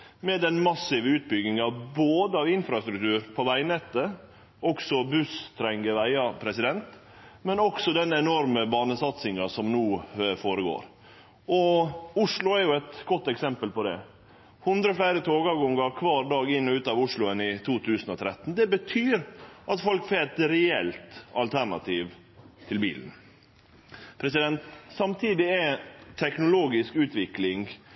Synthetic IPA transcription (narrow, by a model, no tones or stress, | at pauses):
mɛd̪ɛnmɑsɪʋəʉːt̪̚bʏɡɪŋɑʋboːd̪əɑʋɪnfɾɑst̪ɾʉkt̪ʉːɾpʰɔʋæɪnɛt̪ːə | ʔɔksɔbʉst̪ʰɾɛŋɡəʋæɪɑpʰɾɛsɪd̪ɛnt̪ | mɛnɔksɔd̪ɛnɛnɔɾməbɑːnəsɑt̪sɪŋɑsɔmnuːfoːɾəɡo̰ːɾ | ɔʊʂlʊæɾjʊɛt̪ɡ̥ɔt̪ːɛksɛmpəlpɔd̪ɛ̰ | hʊnd̪ɾəɔflæɪɾət̪ʰoːɡɑɡɔŋəɾkʰʋɑːɾd̪ɑːɡɪnːɔʉːt̪ɑːʋʊʂlʊənɪt̪ʰuːt̪ʰʉːsən̩ɔt̪ʰɾɛt̪ːn̩d̪ɛbət̪ʰyːɾʔɑt̪fɔlkfɛːt̪ɾɛɛlt̪ɑlt̪ʰæɳɑt̪ʰiːʋ | t̪ʰɪlbiːln | pʰɾɛsɪd̪ɛnt̪sɑmt̪ʰiːd̪ɪɛt̪ʰɛknʊloːɡɪskʉːt̪ʋɪklɪŋ